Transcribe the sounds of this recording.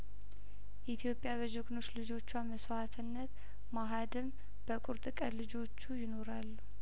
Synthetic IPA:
ʔit̪ʰijo̞pʼjaβəd͡ʒɨɡʼno̞t͡ʃːlɨd͡ʒo̞t͡ʃːwaməsat̪ʰɨnːət̪ | maɦad̪ɨm | b̥əkʼuɾt̪ʼɨkʼəlɨd͡ʒo̞t͡ʃːujɪno̞ɾalːu

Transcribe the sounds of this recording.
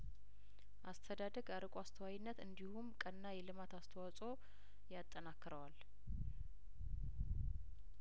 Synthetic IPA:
ʔast̪ʰəd̪ad̪əɡaɾəkʼoast̪ʰəwawinːət̪ɨnd̪ihumkʼənːajɛlɨmat̪ast̪ʰəwasʼo̞ | jat̪ʼːənakːɨɾəwal

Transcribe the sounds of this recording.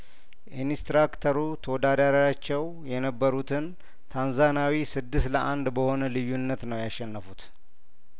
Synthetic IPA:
ʔinist̪ɾakt̪ʰəɾut̪ʰəwɔd̪ad̪jaɾaat͡ʃːɛw | jɛnəbːəɾut̪ʰɨn | t̪ʰanzanawisɨd̪ːɨst̪ləʔand̪bəho̞nəlɨjːunːət̪nəwjaʃːɛnːəfut̪

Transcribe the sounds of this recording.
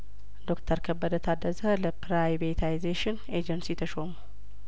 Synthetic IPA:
d̪o̞kt̪ʰəɾkʰəbːəd̪ət̪ʰad̪ːəzələpʰɾajvet̪ʰajizeʃɪn | ed͡ʒənsit̪ʰəʃomu

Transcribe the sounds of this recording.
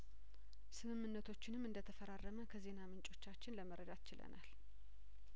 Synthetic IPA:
sɨmɨmːɨnːət̪ʰo̞t͡ʃːɪnɨmːɨnd̪ət̪ʰəfəɾarːəməkʰəze̞namɨnt͡ʃʼo̞t͡ʃːat͡ʃːɪnləməɾəd̪at̪ɨt͡ʃɪlə̰nal

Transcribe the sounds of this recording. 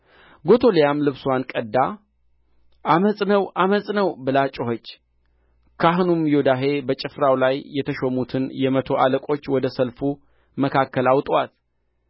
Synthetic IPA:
ɡo̞t̪ʰo̞lejamlɨβsuwankʼəd̪ːa | ʔaməsʼnəwʔaməsʼnəwbɨlat͡ʃʼoɦot͡ʃː | kʰaɦɨnumjod̪aɦe̞bət͡ʃʼɪfɾawlajːɛt̪ʰəʃomut̪ʰɨnjɛmət̪ʰo̞ʔaləkʼo̞t͡ʃːwɔd̪əsəlfu | məkʰakːəlawt̪ʼwat̪

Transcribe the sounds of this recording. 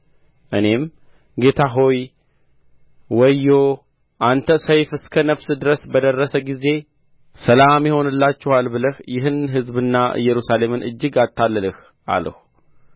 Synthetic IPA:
ʔɨne̞m | ɡe̞t̪ʰaɦo̞j | wəjːo̞ | ʔant̪ʰəsəjfɨskʰənəfsd̪ɨɾəsbəd̪ərːəsəɡize̞ | səlamjɪho̞nɨlːat͡ʃːɛwalbɨləhjɪɦɨnɦɨzbɨnːaɨ̰jːɛɾusale̞mɨnʔɨ̰d͡ʒːɨɡat̪ːalːələh | ʔa̰lə̰hu

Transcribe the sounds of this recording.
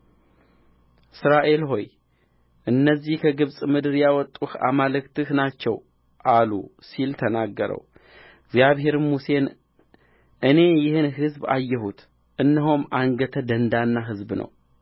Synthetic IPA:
ʔɨsɾaʔe̞lɦo̞j | ʔɨnːəzːihkʰəɡɨβsʼmɨd̪ɨɾjawɔt̪ʼːuha̰malɨkt̪ɨhnat͡ʃːɛw | ʔalṵsilt̪ʰənaɡːəɾə̰w | ɡzjaβɦe̞ɾmuse̞n | ʔɨne̞jɪhɨnɦɨzba̰jːɛhut̪ | ʔɨnːəɦomʔaŋɡət̪ʰəd̪ənd̪anːaɦɨzbnə̰w

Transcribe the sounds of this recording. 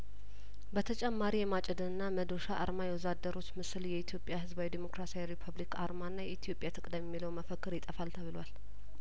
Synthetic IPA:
bət̪ʰət͡ʃʼɛmːaɾijɛmat͡ʃʼɛd̪ɨnɨnːaməd̪o̞ʃaʔaɾmajɛwɔzad̪ːəɾo̞t͡ʃːmɨsljɛit̪ʰijo̞pʼjaɦɨzbawid̪imo̞kɾasiajɾipʰuβlikʰaɾmanːajɛit̪ʰjo̞pʼjat̪ʰɨkʼd̪əmːɛmːiləwməfəkːɨɾjɪt̪ʼəfalt̪ʰəβɨlwal

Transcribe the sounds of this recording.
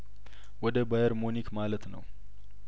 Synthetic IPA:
wɔd̪əbajəɾmonikmalət̪nə̰w

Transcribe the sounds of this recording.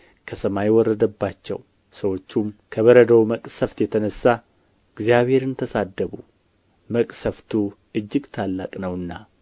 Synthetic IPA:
kʰəsəmajwɔrːəd̪əbːat͡ʃːɛ̰w | səwo̞t͡ʃːumkʰəβəɾəd̪əwməkʼsəft̪jɛt̪ʰənəsːa | ɨɡzjaβhe̞ɾɨnt̪ʰəsad̪ːəβu | məkʼsəft̪ʰu | ɨd͡ʒːɪɡt̪ʰalːakʼnəwɨnːa

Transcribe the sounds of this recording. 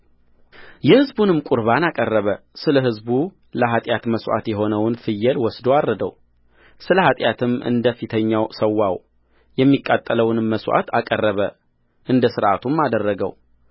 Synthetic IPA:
jɛhɨzbunɨmkʼʊɾβanakʼərːəβəsɨləɦɨzbu | ləɦat̪ʼjat̪məswʔa̰t̪jɛɦo̞nəwnfɨjːɛlwɔsd̪oarːəd̪ə̰w | sɨləhat̪ʼjat̪ʰɨmɨ̰nd̪əfit̪ʰəɲːawsəwːaw | jɛmːikʼːat̪ʼːələwnmmːəswʷʔa̰t̪ʰakʼərːəβə | ʔɨnd̪əsɨɾʔat̪ʰumːad̪ərːəɡə̰w

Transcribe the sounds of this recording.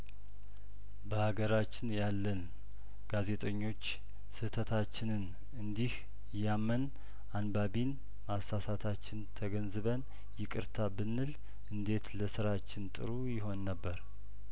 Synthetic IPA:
bəhaɡəɾat͡ʃːɪnjalːən | ɡ̥aze̞t̪ʼəɲːo̞t͡ʃː | sɨt̪ʰət̪ʰat͡ʃːɪnɨn | ɨnd̪ih | jamːən | ʔanbaβin | masasat̪ʰat͡ʃːɪnt̪ʰəɡənzɨβən | jɛkʼɨɾt̪ʰabɨnːɨl | ʔɨnd̪e̞t̪ləsɨɾat͡ʃːɪnt̪ʼɨ̰ɾujɪɦo̞nːəbːəɾ

